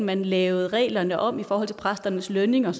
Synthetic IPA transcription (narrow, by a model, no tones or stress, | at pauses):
mænlɛːʊð̩ˠʁɛ̰ːlɐnəʔɒ̽m̰ifɒːhɒ̽l̰t͡sʰe̝pʰʁasd̥ɐnəsløne̝ŋɒs